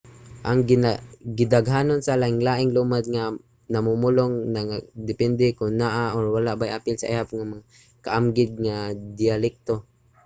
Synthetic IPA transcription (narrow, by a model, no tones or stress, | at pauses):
ʔaŋɡɪnaɡɪd̪aɡɦaːnonsalaːʔɪŋlaːʔɪŋlumad̪̚ŋa | namumʊloŋnaŋad̪ɪpɛnd̪ɪkʊnːaʔaʔoɹwalaʔbajʔapɪlsa̰ʔḭhap̚ŋamaŋa | kaʔamɡɪd̪̚ŋad̪ɪalɪk̚t̪o